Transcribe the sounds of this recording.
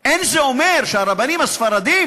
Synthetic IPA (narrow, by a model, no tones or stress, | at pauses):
enzeomeɾʃaɾabanimasfɐɾad̪iːm